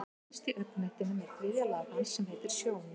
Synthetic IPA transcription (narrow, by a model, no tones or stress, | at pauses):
st̪iʔœpːnɛht̪ɪnʏmɛɾkʰvɪːðjalaːpansɛmheːjt̪ɪɾ̥sjoːwn